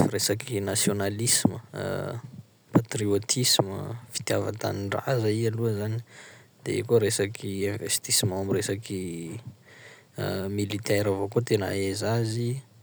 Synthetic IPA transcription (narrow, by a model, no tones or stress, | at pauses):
fɾesakʰinasjonalisimə̰ | pat̪riot̪ʰismə̰fi̥t̪java̰t̪a̰niɳɖ͡ʐa̰zəialuəzani̥d̪̥ḛḛkoɾesakʰiẽvest̪isimãamiresaki | milit̪ɛɾavakot̪enə̰ezazi